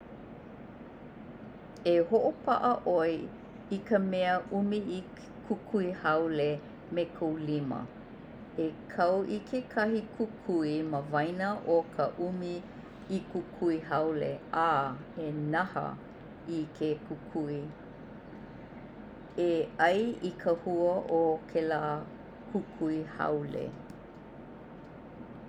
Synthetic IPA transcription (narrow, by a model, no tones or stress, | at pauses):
eɦoʔopɐʔəʔoj | ikəmɛəʔumii | kʰukʰuihɐwle | mekʰowlimə̰ | ekʰɐwʔikʰekʰɐɦikʰukʰuiməvɐjnəʔokʰəʔumi | ikukʰuiɦɐwlḛʔaenɐhə̰ | ikʰekukʰui | eʔɐjikʰəhuəʔokʰelaː | kʰukʰuihɐ̰wlḛ